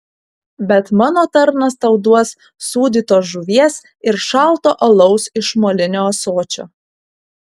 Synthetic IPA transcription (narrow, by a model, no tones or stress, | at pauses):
bʲɛt̪mɑːnoːt̪ɐɾnɐst̪ɐʊd̪uɔsː | uːd̪ʲiːt̪oːʒʊʋʲiɛs | ɪɾʃɑˑlˠt̪oːʔɐlˠɐʊsɪʃmoːlʲɪnʲoːsoːt͡ʃʲo̰ː